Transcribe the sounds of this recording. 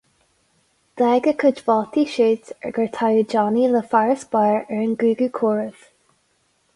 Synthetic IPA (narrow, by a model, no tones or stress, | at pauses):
d̪̥ɛːɡəkʰəd͡ʒvɔlt̪ʰiʃiːt̪ɛ̰ɡəɹt̪ʰajəd͡ʒɑːniləfaɹəsb̥aːɹɛɹənɡɹʉːɡʉːkʰɔːɹəð̥